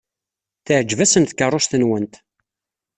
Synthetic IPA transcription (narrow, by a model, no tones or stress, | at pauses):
θəʕd͡ʒːvæsənθkərˤːost̪ənwənt̪